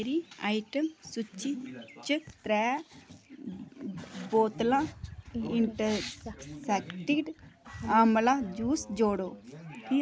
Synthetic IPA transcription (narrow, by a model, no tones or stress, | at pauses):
ɾiaːiʈəmsut͡ʃit͡ʃəkt̪ɾɛː | boːt̪lãːɪɳʈəsɛkʈiʈaːmlãd͡ʒuːsd͡ʒoːɽoː